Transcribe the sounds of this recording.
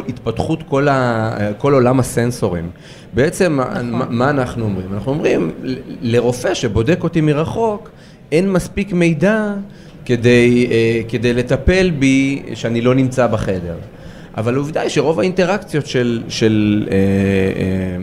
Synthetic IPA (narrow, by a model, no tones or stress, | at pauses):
it̪patχut̪ko̞lako̞lo̞lamase̞nso̞ʁim | beet͡se̞m̰ːaːaːnaχnuo̞mʁimanaχnuo̞mʁimle̞ʁo̞feʃebo̞de̞ko̞timiʁaχo̞k | e̞nmaspikme̞jda | ke̞dejeke̞dejle̞t̪ape̞lbiʃeanilo̞nimt͡sabeχe̞de̞̰ʁ | ʔa̰valuvd̪ajʃe̞ʁo̞vainte̞ʁakt͡sjo̞tʃelʃe̞lee